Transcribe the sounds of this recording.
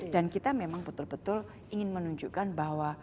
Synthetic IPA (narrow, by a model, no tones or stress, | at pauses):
dankit̪amemaŋbət̪ʊlbət̪ʊl | iŋɪnmənuɲd͡ʒuʔkanbaɦwa